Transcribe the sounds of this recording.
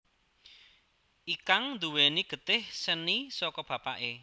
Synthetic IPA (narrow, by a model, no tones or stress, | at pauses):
ʔikaŋnd̪uweniɡ̥ə̤t̪ɪhsənisɔkɔb̥ä̤pa̰ʔe